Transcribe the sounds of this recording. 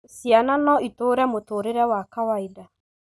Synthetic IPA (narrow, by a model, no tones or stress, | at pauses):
sjananɔitoːɾɛmotoɾeɾɛwakawaida